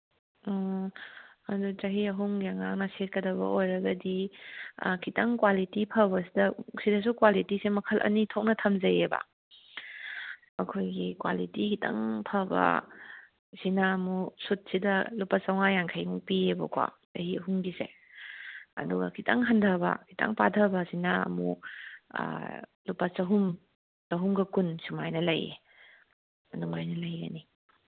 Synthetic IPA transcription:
ɔ | ɐdut͡ʃɐɦiɐɦuŋɡiaŋak̚nɐset̚kɐdɐbɐ̰ʔojɾɐɡɐdḭ | kʰitʰɐŋkwalitipʰɐbɐsidɐsidɐs̬ukwalitisemɐkʰɐlʔɐ̰nitʰok̚nɐtʰɐmzɐjebɐ̰ | ɐkʰojɡikwa̰litikʰitʰa̰ŋpʰɐbɐ̰ | sinamusut̚sidɐlupasawŋajaŋkʰajupiebɐ̰kwa̰ | ɐhiɦuŋɡise | ɐ̰duɡɐ̰kʰitʰaŋɦandʱɐbɐ̰kʰita̰ŋpadʰʱɐbɐsinaɐ̰mṵ | lupasɐɦum | tɐɦumɡɐkunsumajnɐlɐjḛ | nuŋajnɐlɐjɡɐ̰ni

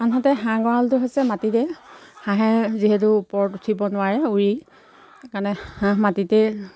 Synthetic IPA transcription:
anɦatɛɦãɡɔɹaltʊɦojsɛmatitɛhãɦɛziɦetʊpɔɹɔtutʰibɔnʊwaɹɛuɹi | kaɹnɛhãmatitɛ

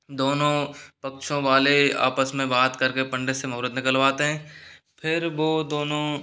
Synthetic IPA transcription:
d̪oːnõpɐkʃõʋaːlea̰ːpəsmẽbaːt̪kɐɾkepɐ̃ɳɖesemɐɾɪd̪nɪkəlʋaːt̪eɦɛ̃ː | pʰɪɾʋoːd̪oːnõ

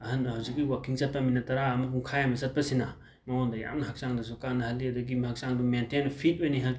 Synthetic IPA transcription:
ɐhɐnhawzik̚ijwakiŋt͡ʃɐt̚pɐminɐtɐɾaːmɐkuŋkʰajamɐsɐt̚pɐsinɐ | mɐwondɐja̰mnɐɦɐk̚saŋdɐs̬ɔkanɐhɐlːiɐdɐɡimhak̚saŋdumentenpʰit̚ojniɦɐl

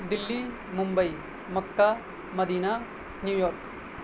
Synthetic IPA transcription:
d̪ɪlːi | mʊmbɐi | mɐkːa | mɐd̪iːna | njuːjɔːɾk

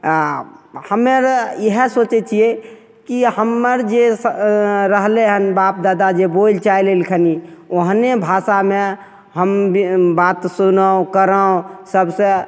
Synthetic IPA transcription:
həmeɾjəɦəsot͡ʃet͡ʃʰijɛ | kihəmːəɾd͡ʒesɾəɦleɦənbap̚d̪ad̪ad͡ʒebolt͡ʃailelkʰənioɦnebʱasame | ɦəmbat̪sunəõkəɾə̃səbsə̃

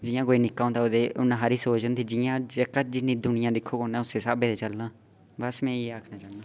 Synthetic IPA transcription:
d͡ʒɪjãːkoːiːnɪkːaːõt̪aːod̪eːʊnːãːɦaːɾiːsoːt͡ʃənt̪ʰiːd͡ʒɪjãːd͡ʒkəd͡ʒɪnːĩːd̪ʊnɪjãːd̪ɪkʰːoːkoːnãːʊseːsaːbeːd̪eːt͡ʃəlːãː | bəsmɛ̃ːiːaːkʰnaːt͡ʃaːnãː

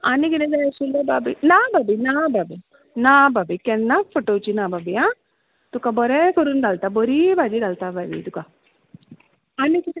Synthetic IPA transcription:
anikined͡ʒajsulːɐbabinaːbabinababi | nababikɛnːafʰoʈowt͡ʃinababija | t̪ukabɔɾekuɾunɖɐlt̪abɔɾibad͡ʒidɐlt̪ababḭt̪uka | aniki

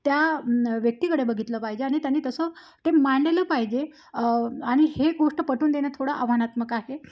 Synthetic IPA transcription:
t̪jaʋjək̚t̪ikəɽebəɡʱit̪ləpaɦid͡ʑeaɽ̃it̪janːiːt̪əsə | t̪emaɳleləpaɦid͡ʑe | aɽ̃iheɡoʂʈəpəʈuːnd̪eñjat̪ʰoɽaʔəʋanat̪məkaɦe

